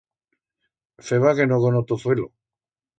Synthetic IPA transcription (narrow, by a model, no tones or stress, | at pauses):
feβaɣenoðonot̪oθwelo